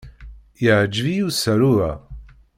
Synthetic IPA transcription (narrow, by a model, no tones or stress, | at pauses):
jəʕd͡ʒvijusəɾuæ